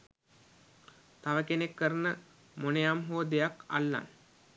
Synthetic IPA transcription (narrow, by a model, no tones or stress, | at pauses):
t̪aʋəkenekːəɾənə | monejamɦoːd̪ejaka̰lːa̰n